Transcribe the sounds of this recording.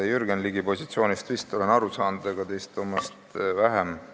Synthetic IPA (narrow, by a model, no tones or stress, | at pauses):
jyrɡenliɡ̥ipo̞sʲi̥t̪sio̞ːnʲist̪vist̪ːˑolenɑɾusɑːnud̪eɡ̥ɑt̪e̞jst̪ːˑomːɑst̪væɦem